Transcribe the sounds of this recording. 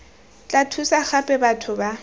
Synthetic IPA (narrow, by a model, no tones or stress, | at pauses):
t͡ɬʼatʰusaxapʼɛbatʰʊba